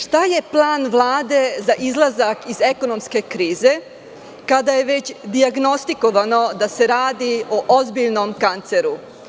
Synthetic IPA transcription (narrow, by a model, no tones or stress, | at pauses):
ʃt̪aje̞plˠaːnʋlˠaːd̪e̞zaʔizlˠazakize̞ko̞no̞mske̞kɾiːze̞ | kad̪ajeʋe̞t͡ɕd̪iaɡno̞st̪iko̞ʋano̞d̪ase̞ɾaːd̪ioʔozbiʎno̞mkant̪seɾu